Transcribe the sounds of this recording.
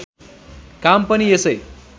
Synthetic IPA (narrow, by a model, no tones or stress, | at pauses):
kampʌniesʌj